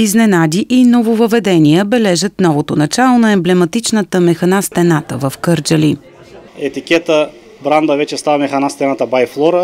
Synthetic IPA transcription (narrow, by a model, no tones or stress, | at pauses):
iznɛnad̪ʲiʔinovovəvɛd̪ɛniəbɛlɛʒət̪nɔvot̪onɐt͡ʃalˠonɐɛmblɛmɐt̪it͡ʃnət̪əmɛxɐnast̪ɛnat̪ə̰vəfkɤɾd͡ʒəli | ɛt̪ikʲɛt̪ə | bɾand̪əvɛt͡ʃɛst̪avɐmɛxɐnast̪ɛnat̪əbajflˠɔɾə